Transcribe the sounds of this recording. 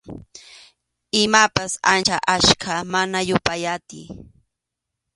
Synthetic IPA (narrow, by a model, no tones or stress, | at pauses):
ɪmapasa̰nt͡ʃaʔaʃkʰamanajʊpajat̪ɪ